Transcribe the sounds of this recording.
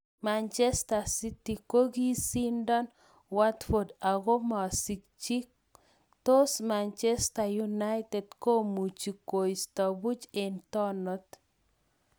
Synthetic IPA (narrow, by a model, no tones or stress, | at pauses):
mant͡ʃɛstasitikoɡisindɔn | watfɔdaɣɔmasikt͡ʃik | t̪ɔsmant͡ʃɛstajunajtɛdkomut͡ʃikojstabut͡ʃentɔnɔt̪